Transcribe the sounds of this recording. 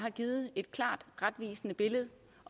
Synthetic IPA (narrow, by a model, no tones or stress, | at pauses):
ɦɑ̈ɡ̥iːð̩ˠe̝d̥kʰlɑ̰̈ːd̥ʁad̥ʋḭːsnəb̥e̝ləð̞̩ˠ